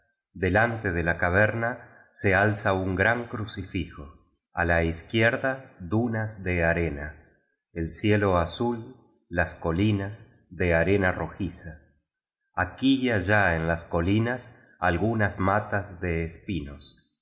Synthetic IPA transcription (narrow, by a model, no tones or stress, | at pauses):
d̪e̞lant̪eðelakaβ̞eɾna | sealsauŋɡɾaŋkɾusifixo̞ | a̰laiskjeɾðaðunazðeaɾena | elsjelo̞asulː | asko̞linaz | ðeaɾe̞naro̞xisaː | kiʎaʒaenlasko̞linas | alɣunazmat̪azðeːspinos